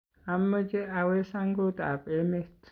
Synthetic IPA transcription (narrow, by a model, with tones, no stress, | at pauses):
a˨mːə˦d͡ʒe˦ʔawe˦saŋɡo˦t̪a˨pʼeme˦t̪